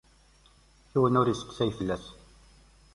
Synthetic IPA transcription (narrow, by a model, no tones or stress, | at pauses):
θuwənʊɾisə̥kːsæjfəlːæs